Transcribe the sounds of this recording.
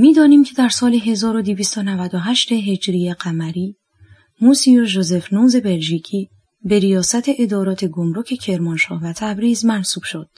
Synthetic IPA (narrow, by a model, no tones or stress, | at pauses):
miːd̪ɒːniːmcʰe̞d̪æɾsɒːleɦe̞zɒːɾo̞d̪iviːst̪onævæd̪oɦæʃt̪e̞ɦe̞d͡ʒɾijeɢæmæɾiː | musijoʒoze̞fnuːze̞belʒiːcʰiː | be̞ɾijɒːsæt̪ʰe̞ʔed̪ɒːɾɒːt̪ʰe̞ɡomɾo̞cʰe̞cʰe̞ɾmɒnʃɒ̰ːhvæt̪ʰæbɾiːzmænsuːb̥ʃod̪̥